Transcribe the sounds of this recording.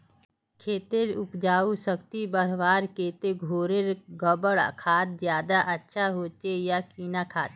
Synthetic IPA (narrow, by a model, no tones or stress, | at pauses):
kʰeːt̪elʊpd͡ʒaːusəkt̪ibəɾʋaːɾkeːt̪eɡʱoːɾeɾɡəbəɽa̰kʰaːt̪̚zjaːd̪aʔətːʃʰaɦoːt͡ʃejakiːnakʰaːt̪